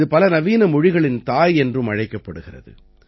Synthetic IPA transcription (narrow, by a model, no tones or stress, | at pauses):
ɯpɐlɐnɐʋiːnɐmɔɻɪɣɐɭɪnt̪aːjɛndrɯmɐɻɐɪkːɐpːɐɽɯɣɪrɐ̰ðɯ̰